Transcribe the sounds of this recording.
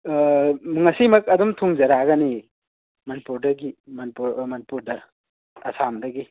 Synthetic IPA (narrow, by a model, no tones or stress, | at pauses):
mɯŋɐsimɐk̚ɐdumtʰuŋzɐɾaɡɐni | mɐnipuɾdɐɡimɐnipuɾmɐnipuɾdɐː | samdɐɡi